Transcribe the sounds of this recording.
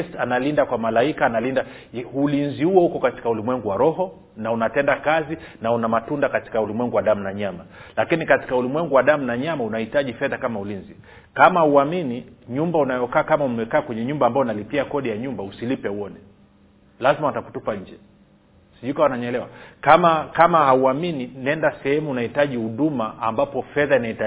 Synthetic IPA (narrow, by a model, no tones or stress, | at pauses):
stanalindakwamalaikaːnalinda | ulinzihuɔhukɔkati̥kaulimwɛŋɡuwaɾɔɦɔ | naunatɛndakazinaunamatundakati̥kaulimwɛŋɡuwaɗam̩naɲamalakinikati̥kaulimwɛŋɡuwaɗam̩naɲamaunahitaʄifɛðakamaulinzi | kamahuaminiɲumbaunajɔkaːkamaumɛkaːkwɛɲɛɲumbaːmbajɔunalipiakɔɗijaɲumbausilipɛuɔnɛ | lazimawataku̥tupaɲ̩d͡ʒɛ | siʄuikawanaɲɛlɛwakamakamahauamininɛndasɛhɛmuːnahitaʄihuɗumaʔambapɔfɛðainaita